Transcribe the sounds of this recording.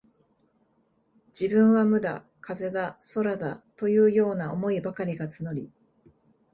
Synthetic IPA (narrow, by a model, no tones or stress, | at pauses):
d͡ʑ̥ibɯ̟̃ɰ̃βamɯ̟d̪a̰ | kaze̞d̪aso̞ɾad̪at̪o̞jɯ̟ːjo̞ːnaomo̞ibakaɾʲiɡat͡sɨno̞ɾʲi